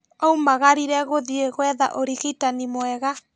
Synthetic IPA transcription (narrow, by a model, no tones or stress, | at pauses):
ɔumaɣaɾiɾɛɣoðieɣwɛða̰ʔoɾiɣitanimwɛɣa